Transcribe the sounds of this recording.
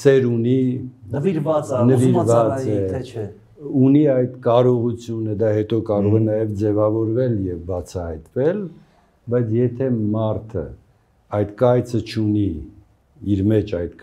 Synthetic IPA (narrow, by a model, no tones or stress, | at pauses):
sɛɾuni | nəviɾvɑt͡sɛ | uniɑjd̪kɑɾɔʁut͡sʰjunəd̪ɑhɛt̪ɔkɑɾɔʁɛnɑjɛvd͡zɛvɑvɔɾvɛljɛvbɑt͡sʰɑhɑjt̪vɛl | bɑjt͡sʰjɛt̪ʰɛmɑɾt̪ʰə̰ | ɑjd̪kɑjt͡sʰət͡ʃʰuni | iɾmɛt͡ʃʰɑjt̪